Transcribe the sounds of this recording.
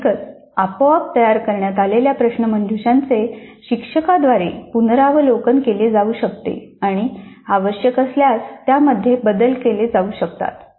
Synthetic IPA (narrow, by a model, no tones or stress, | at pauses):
kət͡s | apoap̚t̪əjaɾkəɾɳjat̪aleljapɾəɕnəmənd̪ʱuɕãnt͡seɕikʂəkad̪ʋaɾepunɾaʋəlokənkeled͡zauɕək̚t̪ḛaɽ̃iaʋəɕjəkəsljast̪jaməd̪ʱːjebəd̪əlkeled͡zauːɕəkt̪a̰t̪